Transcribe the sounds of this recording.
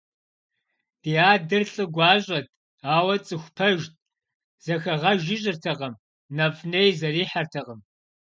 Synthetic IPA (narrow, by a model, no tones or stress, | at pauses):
d̥iːaːdɨrɬʼɨɡʷɑːɕʼɐtʰ | aːwɐt͡sʼɨxʷpʰɐʒt̚ʼ | z̥ɐxɐʁɐʒɪʑʼɪrtʰɐʁɐm | nɐfʼneːjzɐriːħartʰɐʁɐm